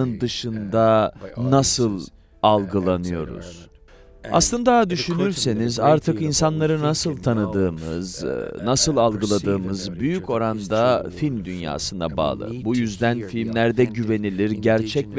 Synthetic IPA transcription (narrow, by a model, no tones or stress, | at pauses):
ɯnd̪ɯʃɯnd̪anasɯlˠ | alˠɡɯlˠanɯjo̞̰ɾṵz̥ | a̰slˠɯnd̪ad̪yʃynyɾse̞nizaɾt̪ʰɯkinsanlˠaɾɯnasɯlˠt̪ʰanɯd̪ɯːmɯ̰znasɯlˠalˠɡɯlˠad̪ɯːmɯzbyjycʰo̞ɾand̪afilʲmd̪ynja̰ːsɯnd̪aba̰ːlˠɯ̰bujyzd̪ænfilʲmlʲæɾd̪ɛɟyve̞nilʲiɾɟæɾt͡ʃʰɛcv